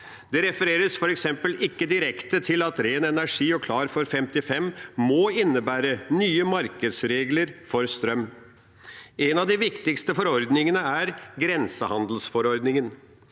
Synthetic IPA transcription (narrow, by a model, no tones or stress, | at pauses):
d̪̥ɛɾɛfəɾeːɾəsfɔɾɛksɛmpəlɪkːəd̪ɪɾɛkt̪ət̪ʰɪlɑt̪ɾeːnɛnæʂiːɔkʰlɑːɾfɔɾfɛmt̪ɪfɛmmɔɪnːəbæːɾənyːəmɑɾkəd̪sɾeːɡləɾfɔɾst̪ɾœm | ɛnɑd̪ɪʋɪkt̪ɪkst̪əfɔɾɔɾd̪nɪŋənəæɾɡɾɛnsəhɑnd̪l̩sfɔɾɔɾd̪nɪŋən